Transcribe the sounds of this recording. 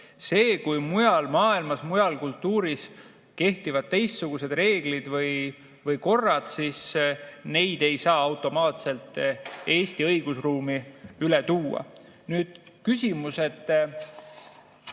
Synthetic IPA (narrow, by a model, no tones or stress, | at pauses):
se̞ːkujmujɑlmɑːilmɑsmujɑlkult̪ːˑuːɾis | ke̞ht̪ivɑd̪̥̚t̪e̞jst̪suɡ̥use̞d̪̥re̞ːɡ̥lid̪vɤj | vɤjko̞rːɑd̪̥sisne̞jd̪̥e̞jsɑːɑwt̪ːˑo̞mɑːt̪se̞lt̪ˑe̞ːst̪iɤjɡ̥usruːmiylet̪uːɑ̰ | nyːd̪̥kysʲimuse̞t̪